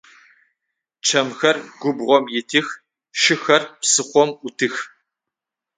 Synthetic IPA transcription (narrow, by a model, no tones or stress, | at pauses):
t͡ʃʰɐmxɐrɡ̥ʷʊbʁʷɔmjɪtʰiːx | ʃɪxɐrpsɨχʷɔmʔʷʊtʰɨx